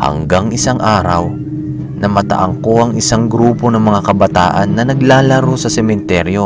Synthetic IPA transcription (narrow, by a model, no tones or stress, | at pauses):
hɐ̰ŋɡaŋʔɪsaŋʔaːɾɐw | nɐmɐt̪ɐ̰ʔɐŋko̞ʔɐŋɪsaŋɡɾuːpo̞nɐŋmɐŋakɐbɐt̪aːʔɐnːɐnɐɡlaːlɐɾo̞sɐsɛmɛnt̪ɛɾjo̞